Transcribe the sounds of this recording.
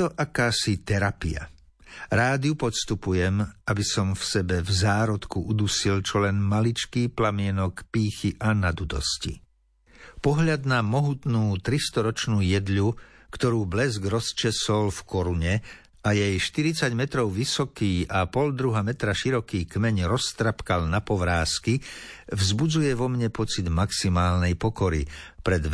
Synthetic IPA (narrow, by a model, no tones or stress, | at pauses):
t̪ɔʔakaːsit̪ɛɾapia̰ | ɾaːd̪iupɔt̪st̪upujɛmabisɔmfsɛbɛvzaːɾɔt̪kuʔud̪usilt͡ʃɔlɛnmalit͡ʃkiːplamɪɛnɔkpiːxiʔanad̪ud̪ɔ̰scḭ | pɔɦʎad̪namɔɦut̪nuːt̪ɾist̪ɔɾɔt͡ʃnuːjɛd̪ʎukt̪ɔɾuːblɛzɡɾɔst͡ʃɛsɔlfkɔɾuɲɛ | ajɛjʃt̪iɾit͡saɟmɛt̪ɾɔʊʋisɔkiːapɔld̪ɾuɦamɛt̪ɾaʃiɾɔkiːkmɛɲɾɔst̪ɾapkalnapɔʋɾaːskivzbud͡zujɛʋɔmɲɛpɔt͡sid̪maksimaːlnɛjpɔkɔɾḭpɾɛd̪